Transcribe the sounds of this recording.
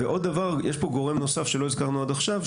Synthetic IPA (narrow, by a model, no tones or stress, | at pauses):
eʔo̞d̪dːavaʁjeʃpo̞ɡo̞ʁemno̞safʃelo̞izkaʁnuad̪aχʃav